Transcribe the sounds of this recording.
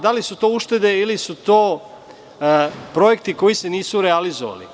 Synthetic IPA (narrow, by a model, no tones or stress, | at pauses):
d̪alisut̪o̞ːuʃt̪e̞d̪e̞ilisut̪o̞ː | pɾo̞je̞kt̪iko̞jise̞niːsuɾealizo̰ʋa̰lḭ